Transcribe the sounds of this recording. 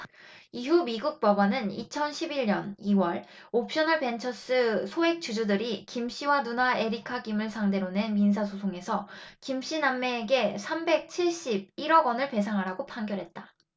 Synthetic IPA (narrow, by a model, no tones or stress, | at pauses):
iɦumiɡuk̚p͈ʌbanɯnḭt͡ɕʰʌnɕʰibiɭɲʌniwʌɭ | op̚ɕ͈ʌnʌɭpe̞nt͡ɕʰʌs͈ɯsʰoe̞k̚t͡ɕud͡ʑudɯɾikimɕ͈iwanunae̞ɾikʰaɡimɯɭsʰaŋde̞ɾone̞nmins̬ʰas̬ʰosʰoŋe̞sʰʌkimɕ͈inamːeːɡe̞sʰambe̞k̚t͡ɕʰiɭɕ͈ib̚iɾʌɡwʌnɯɭpe̞s̬ʰaŋɦaɾaɡopʰaŋɡjʌɾɦe̞t̚t͈a